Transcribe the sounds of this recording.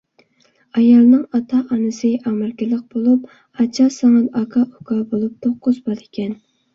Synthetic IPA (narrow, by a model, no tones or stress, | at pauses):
ɑjɑlˠnɨŋɑt̪ʰɑʔɑnɨsɨʔɑmɪɾkʲɪləq̚b̥olˠup̚ | ɑt͡ʃʰɑsɑŋɑd̪ɑkʰɑʔokʰɑbolˠup̚t̪ʰoqːʊzbɑlekʲʰɛn